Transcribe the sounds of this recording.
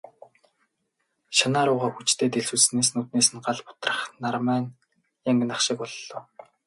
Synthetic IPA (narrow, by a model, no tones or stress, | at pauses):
ʃanaːɾʊːʁaːxut͡ɕt̪ʰeːt̪eɮsuːɮsneːs̬nuːt̪̚neːsɘ̆nɢaɮpʊ̥t̪rə̥̆χnarmæːn | jaŋɡɘ̆naχʃɪ̆kɔɮːɞ̆ː